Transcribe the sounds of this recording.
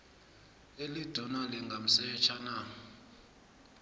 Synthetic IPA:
elid̥ʱɔnalɛŋɡʱam̩sɛt͡ʃʰana

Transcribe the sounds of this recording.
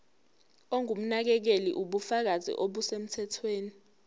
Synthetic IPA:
oŋʱum̩nak̬ɛk̬elḭʔuɓufak̬azḭʔoɓusem̩tʰɛtʰweːni

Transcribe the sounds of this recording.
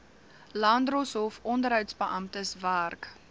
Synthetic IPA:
lɑːndrosɔfɔndəɾɦœɥwtsbəʔɐmtəsværk

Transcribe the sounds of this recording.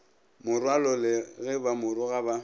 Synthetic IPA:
mʊrwalɔlɪɣɛbamʊɾʊɣaba

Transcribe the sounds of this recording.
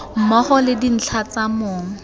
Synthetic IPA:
m̩mɔχɔlɪdin̩t͡ɬʰat͡samoːŋ̩

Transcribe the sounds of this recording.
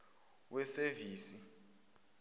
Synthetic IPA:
wɛseviːsi

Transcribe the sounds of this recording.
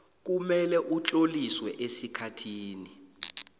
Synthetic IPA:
k̬umɛlɛʔut͡ɬʼoliswɛʔesikʰatʰiːni

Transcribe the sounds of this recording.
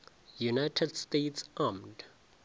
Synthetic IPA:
junajtʰɛdstetsʔamd

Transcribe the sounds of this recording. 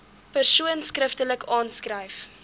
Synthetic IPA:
pərsuənskrəftələkʰɑːnskrəjf

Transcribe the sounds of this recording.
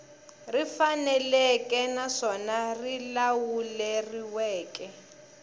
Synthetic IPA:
rifanɛlɛkʼɛnaʂɔnarilawulɛriwɛːkʼɛ

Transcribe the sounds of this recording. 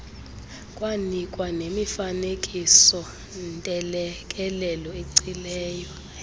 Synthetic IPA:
kʼwanikʼwanemifanekʼisɔ | ntʼɛlɛkʼɛlɛlɔeǀilɛːjɔ

